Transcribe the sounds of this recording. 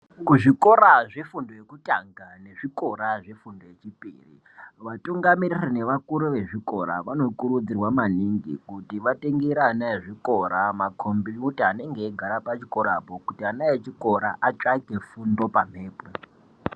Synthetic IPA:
kuʐiko̞ɾaʐefundo̞jekutʼaŋɡane̞ʐiko̞ɾaʐefundojet͡ʃipḭːrḭ | ʋatuŋɡamiririneʋakuɾuʋe̞ʐiko̞ɾa̰ʋano̞kuɾud͡zirwamaniŋɡḭkutiʋateŋɡeɾaːnaeʐiko̞ɾamakʰombiutiane̞ŋɡe̞ːɡʱaɾapat͡ʃiko̞ɾapo̞kutianaet͡ʃiko̞ɾaʔat͡ʃʼake̞fundo̞pam̤e̞ːpwe

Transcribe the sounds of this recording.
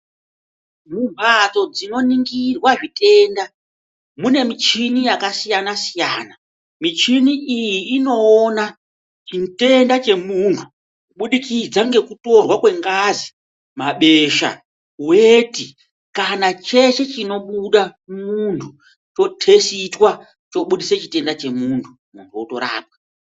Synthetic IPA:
mumbʱat͡so̞d͡zino̞niŋɡirwaʐite̞ːnda | mune̞mit͡ʃinijakasijanasijaːna | mit͡ʃiniijiːno̞ːna | t͡ʃinte̞ndat͡ʃe̞muntʰu | uɓuɗikid͡zaŋɡe̞kuto̞rwakwe̞ŋɡazi | maɓe̞ʃa̰ | weti | kanat͡ʃe̞t͡ʃe̞t͡ʃino̞ɓuɗamuntʰu | t͡ʃo̞tʰe̞sitwa | t͡ʃo̞ɓuɗiset͡ʃite̞ndat͡ʃe̞muːntʰu | muntʰuotoɾa̰ːp̚wa

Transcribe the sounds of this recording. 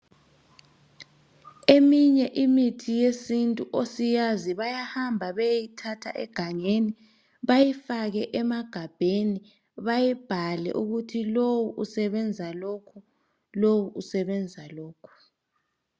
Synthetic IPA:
emiɲɛʔimitʰijesintʼuʔosijaziβajahambʱaβejitʰatʰa̰ʔɛ̰ɡ̥ʱaŋeni | βajifaɣɛʔɛmaɡ̥ʱab̥ʱeni | βajib̥ʱalɛ̰ʔuɣutʰilowuʔusɛβɛnd͡zʱalokʰu | lowuʔusɛβɛnd͡zʱalɔːkʰu̥

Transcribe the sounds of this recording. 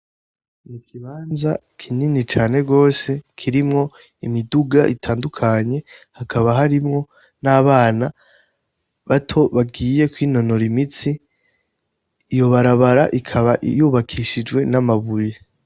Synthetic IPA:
nikʰiβaːnza | kʰininit͡ʃaːne̞ɡo̞ːse̞kʰiɾimŋo̞ | imiduɡaʔitʰaːndukʰaɲe̞hakʰaβaɦaɾimŋo̞ | naːβaːna | βatʰo̞βaɡiːje̞kwiːno̞no̞ɾimit͡si | jo̞βaɾaβaɾaʔikʰaβaʔjuːβakʰiʃid͡ʒwe̞namaβuje

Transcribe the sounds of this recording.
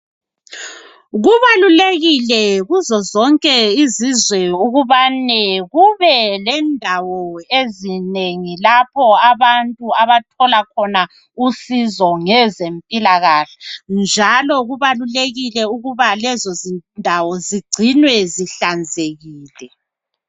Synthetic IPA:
ɣuβaluleɣilɛɣuzɔzɔŋkʼɛizizwɛuɣuβanɛɣuβɛlɛndʱawɔezineŋilapʰɔaβantʼuaβatʰɔlakʰɔna | usizɔŋɛzempʼilaɣaːɬḁnd͡ʒʱalɔɣuβaluleɣilɛuɣuβalɛzɔzindʱawɔziɡ͡ǀʱinwɛziɬand͡zʱeɣiːlɛ

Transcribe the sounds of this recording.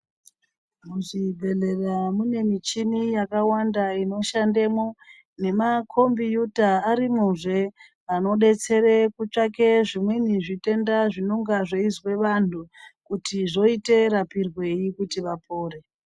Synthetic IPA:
muʐibʱe̞le̞ramune̞mit͡ʃinijakawandaino̞ʃandemo̞ | ne̞makʰo̞mbijutaːɾimuʐe̞ | ano̞ɗe̞t͡se̞ɾekut͡ʂake̞ʐimweniʐite̞ndaʐinoŋɡaʐeizwe̞ʋantukutiʐo̞ite̞ɾapirwe̞jikutiʋapo̞ːɾe̞

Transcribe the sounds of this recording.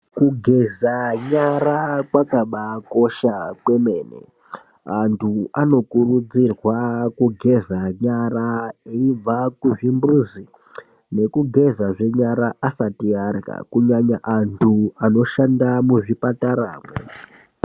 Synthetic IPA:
kuɡʱe̞zaɲaɾakwakaɓako̞ʃakwe̞me̞ːnḛ | antʰuano̞kurud͡zirwakuɡʱe̞zaɲaraeib͡vakuʐimbuzi | ne̞kuɡʱe̞zaʐe̞ɲaɾaʔːsatiarka̰kuɲaɲaʔantʰuano̞ʃandamuʐipataɾa̰ːmḛ

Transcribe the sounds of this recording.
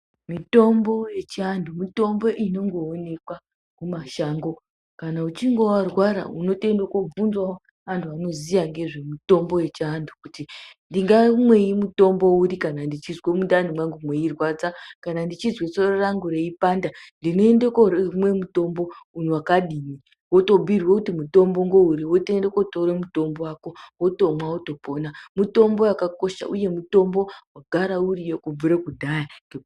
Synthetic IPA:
mito̞mbo̞je̞t͡ʃandumito̞mbo̞ʔino̞ŋɡo̞ːne̞kwa | kumaʃaːŋɡo̞ | kanaut͡ʃiŋɡo̞warwaɾa̰uno̞tendokovunzwao | antʰuano̞zijaŋɡe̞ʐe̞mito̞mbo̞je̞t͡ʃandʰʱukutindiŋɡamwe̞imuto̞mbo̞uɾikanandit͡ʃizwemundan̤imwaŋɡumwe̞irwad͡zakanandit͡ʃizwet͡sororaŋɡoɾeipandandino̞endekormwe̞muto̞mbo̞un̤uwakaɗiːni | woto̞bʱirwokutimuto̞mbo̞ŋɡo̞uriwotendekotoɾemuto̞mbowaːko̞woto̞mwaoto̞po̞namuto̞mbo̞jakako̞ʃa̰ʔuje̞muto̞mbo̞waɡʱaɾaurijokub͡vuɾekudʱajaŋɡe

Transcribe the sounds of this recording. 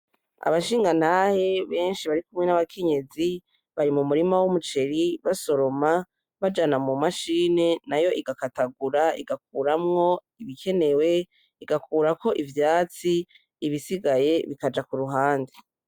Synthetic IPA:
a̰βaʃiːŋɡan̥haːhe̞βe̞ːnʃiβaɾikumŋe̞naβakʰe̞ɲe̞zi | βaɾimumuɾimawumut͡ʃe̞ɾiβaso̞ɾo̞ma | βad͡ʒanamumaʃiːne̞najo̞ʔiɡakataɡuɾaḭɡak̚uːɾamŋo̞ | iβikʰe̞ne̞we̞ | iɡakʰuːɾako̞ʔivjaːt͡siː | βisiɡaje̞βikad͡ʒakuɾuɦaːndi

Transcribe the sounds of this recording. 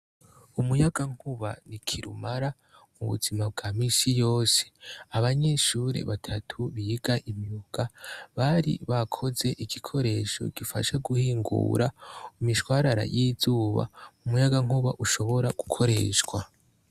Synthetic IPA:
umujaɡaŋ̥huβa̰nikʰiɾṵmaɾa | muβṵzimab̚ɡaːmisijo̞ːse̥aβaɲe̞ʃuɾe̞̰βatʰatʰuβijiɡaʔimjuːɡ̥aβaɾḭβakʰo̞ze̞ʔiɡikʰo̞ɾe̞ʃo̰ɡ̥ifaʃaɡuhiːŋɡṵːɾaumiʃwaːɾaɾa̰jizuːβa̰umujaɡaŋuβaʔuʃo̞βo̞ɾaɡ̥ukʰo̞ɾe̞̰ːʃwa

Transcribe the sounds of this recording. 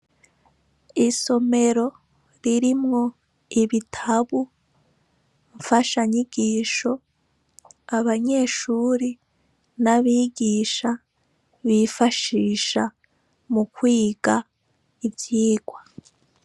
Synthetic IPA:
iso̞me̞ɾo̞ | ɾiɾimŋo̞ | iβitʰaβu | ɱfaʃaɲiɡiːʃo̞ | aβaɲe̞ːʃuːɾi | naβiːɡiːʃa | βifaʃiːʃa | mukwiːɡa | ibjiːɡwa

